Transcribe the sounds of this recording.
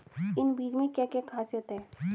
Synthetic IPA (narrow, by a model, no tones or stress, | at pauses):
ɪnbiːd͡ʒmẽkjãːkekʰaːsjət̪ɦɛ